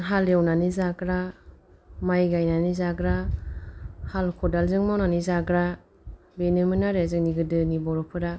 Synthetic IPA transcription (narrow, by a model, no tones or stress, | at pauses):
ɦalewnanizaɡɾa | majɡajnanizaɡɾa | halkʰɔdalzɯŋmawnanizaɡɾa | benɯmɯnaɾezɯŋ̚niɡɯdɯnibɔɾɔpʰɯɾa